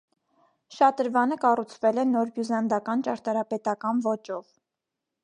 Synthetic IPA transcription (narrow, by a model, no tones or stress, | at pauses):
ʃɑt̪əɾvɑnəkɑrut͡sʰvɛlɛnɔɾbjuzɑnd̪ɑkɑnt͡ʃɑɾt̪ɑɾɑpɛt̪ɑkɑnvɔt͡ʃɔv